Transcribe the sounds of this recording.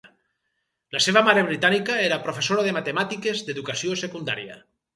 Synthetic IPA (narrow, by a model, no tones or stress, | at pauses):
laseβamaɾeβ̞ɾit̪anikaeɾapɾofesoɾaðemat̪emat̪ikezd̪eðukasiosekund̪a̰ɾia̰